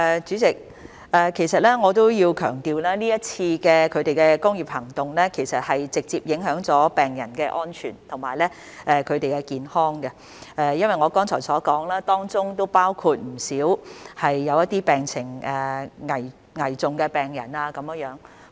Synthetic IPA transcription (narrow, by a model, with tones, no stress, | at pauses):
ʔɛ˨˧t͡ʃyː˨˥t͡sɪ˨˩k̚ | ɛː˨kʰe˨˩jsɐ˨t̚lɛː˥ŋɔː˨˧t̪o˥wjiː˧wkʰœː˨˩ŋt̪iː˨˧wlaː˥niː˥jɐ˥t̚t͡sʰiː˧kɛː˧kʰɵ˨˧t̪e˨jkɛː˧kʊ˥ŋjiː˨p̚hɐ˨˩ŋt̪ʊ˨ŋlɛː˥kʰe˨˩jsɐ˨t̚hɐ˨jt͡sɪ˨k̚t͡siː˧p̚jɪ˨˥ŋɦœː˨˥ŋt͡sɔː˨˥pɛː˨ŋjɐ̰˨˩nkɛː˧ʔɔː˥nt͡ʃʰy̰ː˨˩nt̪ʰʊ˨˩ŋmaː˨˩jlɛ˥ | ʔɛː˨˧kʰɵ˨˧ɥt̪e˨jkɛ˧kiː˨nhɔː˥ŋɡɐ˧ | ʔɛː˨jɐ˥nwɐ˨jŋɔː˨˧kɔː˥ŋt͡sʰɔː˨˩jsɔː˨˥kɔː˨˥ŋlaː˥t̪ɔː˥ŋt͡sʊ˥ŋt̪o˥wpaː˥wkʰuː˧t̚m̩˨˩siː˨˥whɐ˨jːɐ˨˧wjɐ˥t̪ːiː˥pɛː˨ŋt͡sʰɪ˨˩ŋɛː˨ŋɐ˨˩j | ŋɐ˨˩jt͡sʊ˨˩ŋkɛː˧pɛː˨˩ŋjɐ̰˨˩naː˧kɐ˨˥mjŋjœː˨˥ŋ